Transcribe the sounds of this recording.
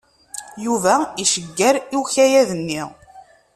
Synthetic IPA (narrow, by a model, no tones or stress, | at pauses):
juvæiʃəɡːæɾiwçæjæðənːiʁ